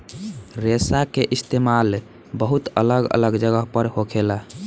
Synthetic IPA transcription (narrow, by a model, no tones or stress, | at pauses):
ɾesakeʔist̪emal | bəɦut̪ə̰ləɡə̰ləɡd͡ʒəɡəɦpəɾhokʰela